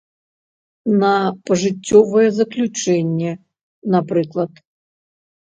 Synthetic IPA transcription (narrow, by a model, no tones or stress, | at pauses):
nɐpɐʐɨt͡sʲːɔvɐjɛzɐklʲut͡ʂɛnʲːɛ | napɾɨklˠɐt̪